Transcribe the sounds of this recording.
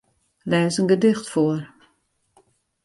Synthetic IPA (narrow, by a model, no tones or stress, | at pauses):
lɛːzənɡədɪxtfoər